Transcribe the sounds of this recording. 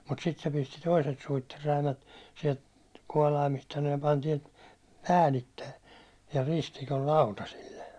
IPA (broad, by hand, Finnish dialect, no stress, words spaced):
mut sit se pisti toiset suitːerːæimæt siɛlt kuɒlɑimist sɑno jɑ pɑn tiɛlt pæːlitːej jɑ ristikol lɑutɑsilːe